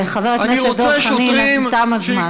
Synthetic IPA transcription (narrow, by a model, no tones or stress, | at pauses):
eχaveʁetnesed̪oχnimt̪amazma